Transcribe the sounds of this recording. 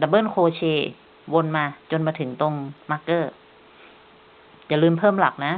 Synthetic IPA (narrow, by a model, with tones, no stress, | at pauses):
da˧˩bɤː˥˩˨nkʰoː˧t͡ɕʰeː˧˩ | wo˧nmaː˧t͡ɕo˧nmaː˧t̪ʰɯ˩˦ŋt̪o˧ŋma˦˥kːɤː˥˩ | jaː˨˩lɯː˧mpʰɤː˥˩mla̰˨˩k̚na˦˥